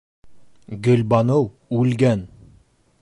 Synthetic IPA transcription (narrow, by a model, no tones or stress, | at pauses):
ɡɵ̆lbɑnɤw | ʉlɡæn